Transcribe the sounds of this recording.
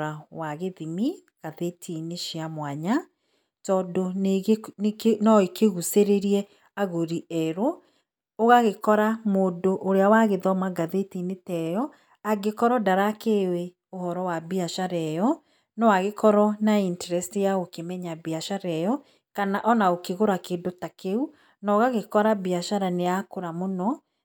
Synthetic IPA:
ɾawaɣeðimi | ɣ̥aðetʰineʃiamwaɲa | tɔdonenknɔekeɣuseɾeɾiɛ | aɣoɾiɛɾoː | ɣaɣekɔɾamoːdoʔːɾeawaɣeðɔmaɡaðetinetɛjɔ | aɡekɔɾɔdaɾakewe | ohɔɾɔwabiaʃaɾɛjɔ | nɔwaɣekɔɾɔnaintɛɾɛstijaokemɛɲabiaʃaɾɛjɔ | kanaʔɔnaokeɣoɾakeːdotakeu | nɔɣaɣekɔɾabiaʃaɾaneakoɾamonɔ

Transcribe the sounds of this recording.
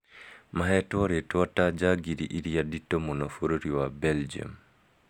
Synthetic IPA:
maɦɛtwɔɾetwɔtad͡ʒaɡiɾiʔiɾijaditːomunɔfoɾoɾiwabɛld͡ʒia̰m

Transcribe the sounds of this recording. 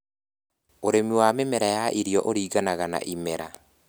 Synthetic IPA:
oɾemiwamemɛɾajaʔiɾjɔʔoɾiːɣanaɣana̰ʔimɛɾa

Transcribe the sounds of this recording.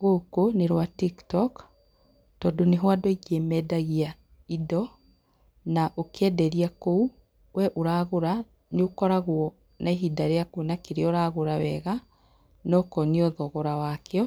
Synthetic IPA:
ɣokoneɾwatiktɔk | tɔdoneɦwadɔiɣiɛmɛdaɣia | idɔ | naʔokeɛdɛɾiakou | wɛʔoɾaɣoɾa | neokɔɾaɣwɔ | naeɦidaɾeakonakeɾeɔɾaɣoɾawɛɣa | nɔkɔneɔðɔɣɔɾawaːkeɔ

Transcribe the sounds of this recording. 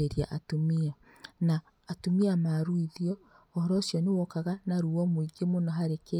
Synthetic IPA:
eɾia̰ʔatomia | naː | tomiamaɾuiðiɔː | hɔɾɔsjɔnewɔkaɣanaɾuɔmoiɡemonɔɦaɾeke

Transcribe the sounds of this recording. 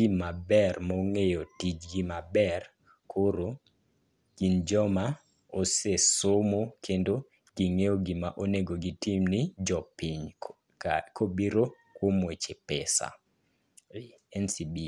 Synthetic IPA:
imabɛrmɔŋejotid͡ʒɡimabɛr | kʰoɾo | kind͡ʒɔma | osesomokʰendo | ɡ̥iŋejoɡɪmaʔoneɡoɡitimnɪd͡ʒɔpiɲ | kʰobiɾo | kwomwet͡ʃepɛsa̰ | ɛnsibi

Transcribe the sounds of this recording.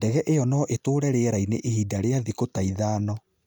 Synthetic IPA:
dɛɣɛʔeɔnɔʔetoːɾɛɾeɾaineʔehidaɾeaðikotaiðaːnɔ

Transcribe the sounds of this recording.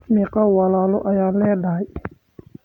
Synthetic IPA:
mikawɐlaːlʊʔɐjaːnlɛːd̪aj

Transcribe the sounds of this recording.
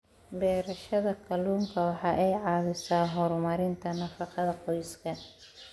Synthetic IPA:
bɛːɾɐʃɐðɐkʰɐluːŋkʰɐwɑħɑːʔɛjʕɑːðɪsaːɦɔɾmɐɾɪnt̪ʰɐnɐfɑqɑðɐqɔjskʰɐ

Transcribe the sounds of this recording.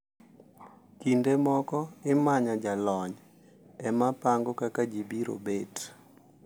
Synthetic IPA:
kindemɔkɔɪmaɲad͡ʒalɔɲ | ɛmapaŋɡokakad͡ʒibiɾo̰bet

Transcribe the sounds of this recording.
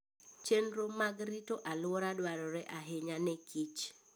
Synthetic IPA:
t͡ʃenɾomaɡɾitoʔalwɔɾadwaɾɔɾɛʔaɦeɲanɛkʰit͡ʃ

